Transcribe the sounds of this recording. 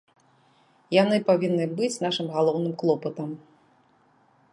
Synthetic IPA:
janɨpavʲinːɨbɨt͡sʲnaʂɨmɣalˠɔwnɨmklˠɔpɐt̪ɐm

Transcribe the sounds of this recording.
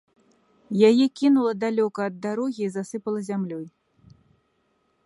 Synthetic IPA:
jajɛkʲinulˠɐd̪alʲɔkɐːd̪ːaɾɔɣʲiːzasɨpɐlˠɐzʲamlʲɔj

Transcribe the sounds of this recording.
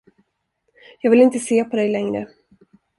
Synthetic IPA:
jɑːɡvɪlɪnt̪əseːpʰɔd̪ɛjlɛŋɾə̰

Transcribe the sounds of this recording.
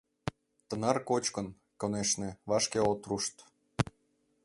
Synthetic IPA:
t̪ɤ̆nɑrkot͡ɕkɤ̆n | koneʃnĕβɑʃkeot̪ruʃt̪

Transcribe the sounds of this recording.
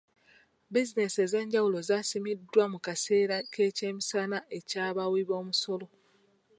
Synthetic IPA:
bizine̞se̞ze̞ːɲɟawulo̞zasimidːwamukase̞ːɾake̞ːce̞ːmisanaʔe̞caːβawiβo̞ːmuso̞lo̞

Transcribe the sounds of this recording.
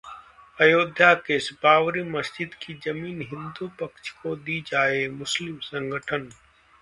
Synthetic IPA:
ɐjoːd̪ʱjakeːsbaːʋɾiːməsd͡ʒɪd̪kʰiːd͡ʒɐmiːnɦɪ̃nd̪uːpəkt͡ʃʰkod̪iːd͡ʒaːeːmʊslɪmsə̃ŋɡʱəʈʰən

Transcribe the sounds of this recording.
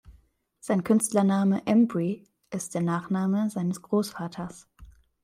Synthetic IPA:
z̥aɪnkʰʏnstlɐnaːməʔɛmbʁi | ʔɪstd̥eːɐnaːχnaːməzaɪnəsɡ̥ʁoːsfaːtʰɐs

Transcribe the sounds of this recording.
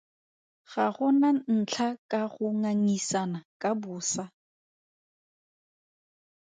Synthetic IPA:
ɣaχʊnan̩t͡ɬʰakʼaχʊŋaŋisanakʼabʊːsa

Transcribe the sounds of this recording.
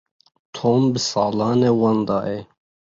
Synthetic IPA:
t̪ʰoːmbəsɑːlɑːnewɐnd̪ɑːʔe

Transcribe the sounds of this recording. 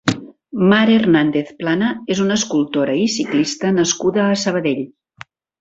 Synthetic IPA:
maɾernand̪eθplanəezunəskulˠt̪oɾəisiklist̪ənəskuðəːsəβ̞əðeʎ

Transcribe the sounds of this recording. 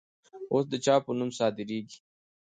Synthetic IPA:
oːs̬d̪ət͡ʃɑpənumsɑːd̪ɪɾeːɡi̥

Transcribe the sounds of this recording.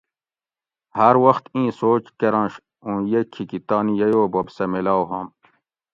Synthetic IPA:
hɐɾwɐxt̪ĩːsoːt͡ɕkeɾɑ̃ːnɕ | ũːjekʰːikit̪aːnijɐjoːbɐbsɐmelaːwɦɐ̃m

